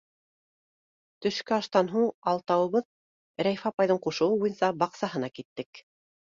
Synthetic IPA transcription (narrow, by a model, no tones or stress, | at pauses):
t̪ɵ̆ʃkɘɑʃt̪ɑnɦuɴɑlˠt̪ɑwɤ̆βɤð | ɾæjfɑpɑjðɤɴquʃɤ̆wɤbujɤ̆nsɑbɑqsɑɦɤ̆nɑkit̪ːɘk